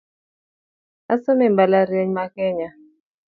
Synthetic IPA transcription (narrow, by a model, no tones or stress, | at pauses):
asɔmɛmbalaɾɛɲmakɛɲa